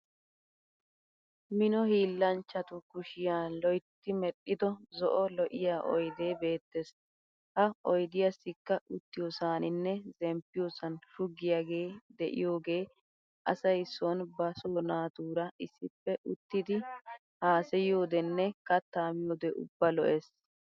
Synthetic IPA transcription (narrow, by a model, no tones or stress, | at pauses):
mɪnɔhiːlːɐnt͡ʃːɐt̪ʊkʊʃɪjaːlɔjt̪ːɪmɛɗɪd̪ɔzɔʔɔlɔʔɪjaːʔɔ̰jd̪e̞ːbe̞ːt̪ːes | hɐɔjd̪ɪjɐsːɪkːɐʔʊt̪ːɪjosaːnɪnːɛzɛmpːɪjosɐnʃʊɡːɪjaːɡe̞ːd̪ɛʔɪ̰jo̞ːɡe̞ː | ʔɐ̰sɐjsɔnbɐsoːnaːt̪uːɾɐʔɪsːɪpːɛʔʊt̪ːɪd̪ɪ | haːsɛjo̞ːd̪ɛnːɛkɐt̪ːaːmɪjoːd̪ɛʔʊ̰bːɐlɔʔes